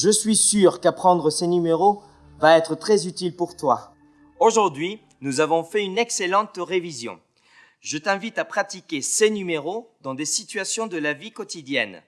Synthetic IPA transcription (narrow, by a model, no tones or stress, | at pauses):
ʒəsɥisyʁkapχɑ̃d̪ʁəsenymeʁo | vaɛt̪χət̪χɛzyt̪ilpuʁt̪wa | oʒuʁd̪ɥi | nuzavɔ̃fɛynɛkselɑ̃t̪ʁevizjɔ̰̃ | ʒət̪ɛ̃vit̪apχat̪ikʲesenymeʁod̪ɑ̃d̪esit̪ɥasjɔ̃d̪əlavikɔt̪id̪jɛ̰n